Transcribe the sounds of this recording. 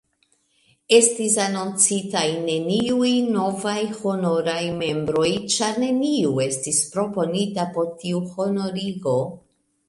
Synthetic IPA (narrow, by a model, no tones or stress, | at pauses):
e̞stis̬anont͡sitajne̞niujno̞vajho̞no̞ɾajme̞mbɾo̞jt͡ʃaɾne̞niue̞stispɾo̞po̞nitapo̞ɾtiuho̞no̞ɾiɡo̞